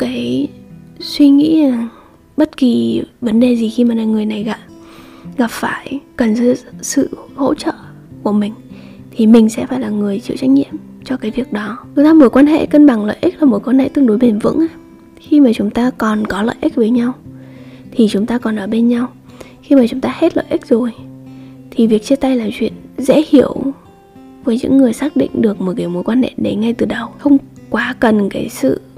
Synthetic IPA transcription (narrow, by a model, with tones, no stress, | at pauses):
kaː˨˦j | swi˧ŋḭ˧˥˨ | ɓə˦˥t̚ki˨˩və˨˦nɗe˨˩zi˨˩xi˧maː˨˩laː˨˩ŋɨ˨˩əjna˨˩jɣa˨˩p̚ɣa˨˩p̚faː˧˩jkə˨˩nsɨ̰˧˥˨sɨ̰˧˨ho̰˧˥t͡ɕə̰ː˧˨ | ku˧˩əmï˨˩ŋ̟ | t̪ʰi˨˩mï˨˩ŋ̟sɛ̰˧˥faː˧˩jlaː˨˩ŋɨ˨˩əjt͡ɕḭ˧˨wt͡ɕa˦˥k̚ɲḭ˧˨əm | t͡ɕɔ˧kaː˨˦jvi˧˨˩ək̚ɗɔ˨˦t͡ɕʊ˨˦ŋ͡mt̪aː˧mu˨˦jkwaː˧nɦḛ˧˨kə˧nɓa˧˩ŋlə̰ː˧˨ʔi˦˥k̚laː˨˩mu˨˩˦jkwaː˧nhḛ˧˨t̪ɨ˧əŋɗu˨˦jɓe˨˩nvɨ̰˧˥ŋʔaː˧˦ | xi˧maː˨˩t͡ɕʊ˨˦ŋ͡mt̪aː˧kɔ˨˩nkɔ˨˦lə̰ː˧˨jʔi˦˥k̟̚vəː˨˦jɲa˧w | t̪ʰi˨˩t͡ɕʊ˨˦ŋ͡mt̪aː˧kɔ˨˩nʔəː˨˩ɓe˧nɲa˧w | xi˧maː˨˩t͡ɕʊ˨˦ŋ͡mt̪aː˧he˦˥t̚lə̰ː˧˨ʔï˦˥k̚zo˨˩j | t̪ʰi˨˩vi˨˩ək̚t͡ɕi˧t̪a˧jlaː˨˩mt͡ɕwḭ˧˨ənzɛ̰˧˥hi˧˩əw | vəː˨˦jɲɨ̰˧˥ŋːɨ˨˩əjsaː˦˥k̚ɗḭ˧˨ŋ̟ɗɨ˨˩ək̚mo˨˩kiː˨˧˩wmo˨˦jkwaː˧nhḛ˧˨ɗe˨˧˩ŋa˧jt̪ɨ˨˩ɗə˨˩wxə˧wŋ͡mkwaː˨˦kə˨˩nkaː˨˦jsɨ̰˧˨